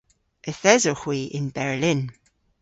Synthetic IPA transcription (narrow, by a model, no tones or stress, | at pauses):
ʔəθɛzoxwiʔɪ̃nbɛɹlɪ̃n